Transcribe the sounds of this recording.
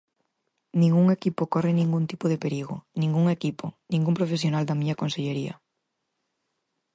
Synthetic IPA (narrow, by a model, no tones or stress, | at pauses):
nĩŋɡuŋekipokɔrɪnĩŋɡunt̪i̥poðepeɾiɣonĩŋɡuŋekiponĩŋɡumpɾofesjonald̪ɐmiɲɐkonseʎeɾiɐ̰